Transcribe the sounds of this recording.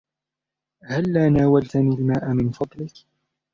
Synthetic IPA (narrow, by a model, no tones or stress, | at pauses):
halːaːnaːwalt̪aniːlmaːʔamɪnfɑd̪ˤlɪk